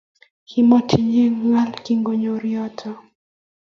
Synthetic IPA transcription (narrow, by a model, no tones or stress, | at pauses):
himɔtʰiɲiŋalkiŋɡɔɲɔɾiɔtʰɔ